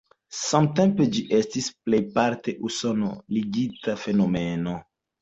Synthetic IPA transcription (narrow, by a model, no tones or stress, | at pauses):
samte̞mpe̞d͡ʒiʔe̞stisple̞jpaɾte̞ʔuso̞no̰liɡitafe̞no̞meno̞